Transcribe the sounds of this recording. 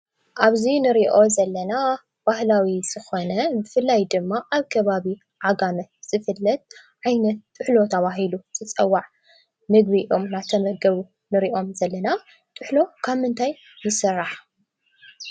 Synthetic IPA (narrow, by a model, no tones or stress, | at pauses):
ʔaβzinɨɾiʔo̞zɐlːɐna | b̥ahlawiz̥ɨxo̞nɐbɨfɨlːajd̪ɨmːaʔaβkʰɐβaβi | ʕaɡamɐz̥ɨfɨlːɐt̪̚ʕajnɐt̪̚t̪ʼːɨħlo̞t̪ʰɐβaɦiluzɨt͡sʼɐwːaʕ | mɨɡβiʔo̞mnat̪ʰɐmɐɡɐβu | nɨɾiʔo̞mzɐlːɐna | t̪ʼɨħlo̞kʰaβmɨnt̪ʰajː | ɪsɨrːaħ